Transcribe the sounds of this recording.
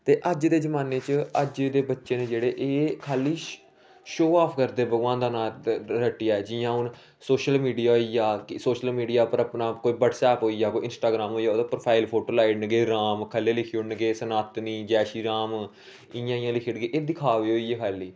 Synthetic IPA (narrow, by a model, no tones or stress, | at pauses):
t̪eːʔəd͡ʒd̪eːd͡ʒəmaːneːt͡ʃəəd͡ʒd̪eːbətːʃeːnẽːd͡ʒeːɽeːʔeːkʰaːliː | ʃoːaːpʰkəɾd̪eːbəɡʋãːnd̪anãːɾəʈːɪjaːɛːd͡ʒɪjãːʊn | soːʃəlmiːɖijaːɦoiːjaːkɪsoːʃəlmiːɖijaːpəɾəpnaːkoːiːbəʈsɛːpɦoːiːjaːkoːiɪnsʈaːɡɾaːmɦoːijaːoːd̪ãːpɾopʰaːɪlpʰoːʈoːlaːinɡeːɾaːmkʰəleːlɪkʰionɡeːsənaːt̪niːd͡ʒɛːʃiːɾaːm | ɪjãːɪ̃jãːlɪkʰɪɽɡeːʔeːd̪ɪkʰaːʋeːɦoːiːeːkʰaːliː